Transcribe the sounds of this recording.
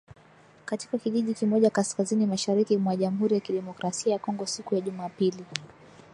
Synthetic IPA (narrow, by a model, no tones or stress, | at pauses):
kati̥kakiʄiʄikimɔʄakaskazinimaʃaɾikimwaʄamuɦuɾijakiɗɛmɔkɾasiajakɔŋɡɔsikujaʄumaːpili